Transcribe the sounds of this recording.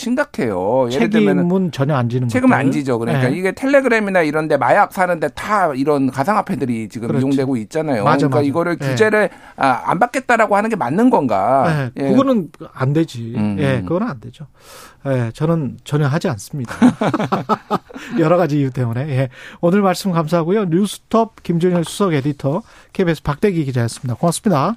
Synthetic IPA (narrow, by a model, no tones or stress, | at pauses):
ɕʰiŋɡakʰe̞jojt͡ɕeɾʰeɡimɯnt͡ɕʌɲʌand͡ʑinɯnŋɡt͡ɕʰeɡɯmna̰nd͡ʑid͡ʑokɯɾʌɲk͈aiɡe̞tʰe̞ɭːe̞ɡɯɾe̞minaiɾʌnde̞majak̚s͈ʰanɯnde̞taiɾʌnkasʰaŋɦapʰe̞dɯɾit͡ɕiɡɯmɯmjoŋdwe̞ɡoit̚t͡ɕ͈anajokɯik͈aiɡʌɾɯɭkud͡ʑe̞ɾɯɭ | aa̰mbak͈e̞t̚t͈aɾaɡohanɯnɡe̞manːɯnɡʌnɡa̰jejeɯɡʌnɯnande̞d͡ʑije̞kɯɡʌnɯnande̞d͡ʑo | je̞t͡ɕʌnɯnt͡ɕʌɲʌŋɦad͡ʑians͈ɯmɲida | jʌɾʌɣad͡ʑiːut̬͈e̞mune̞je̞onɯɭmaɭs͈ɯmkamsʰaɦaɡujoɲusʰɯ̥tʰʌb̚kimd͡ʑoŋɲiɭsʰu̥sʰʌɡe̞ditʰʌ | kʰebesʰɯ̥pak̚t͈e̞ɡiɡid͡ʑajʌs͈ɯmɲidakoŋas͈ɯmɲida